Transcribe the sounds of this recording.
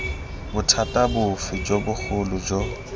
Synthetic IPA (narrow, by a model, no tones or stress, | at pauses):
bʊtʰatʼabʊfid͡ʒobʊk͡xʰʊlʊd͡ʒo